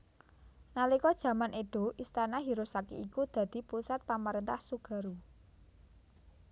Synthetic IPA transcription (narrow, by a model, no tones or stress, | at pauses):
nalikɔd̥ʒ̥ä̤manʔeɖ̥o̤ʔist̪anaɦiɾosakḭikud̪̥ä̤d̪̥i̤pusat̪̚pamaɾent̪ahsuɡ̥a̤ɾu